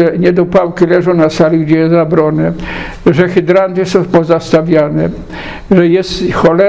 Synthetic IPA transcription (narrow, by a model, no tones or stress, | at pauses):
ɛɲɛd̪ɔpawkʲilɛʐɔ̃w̃nasalʲiɡd͡ʑɛjɛsabɾɔnɛ | ʐɛxɪd̪ɾant̪ɪsɔ̃w̃pɔzast̪avʲjanɛ | ʐɛjɛst̪xɔlɛ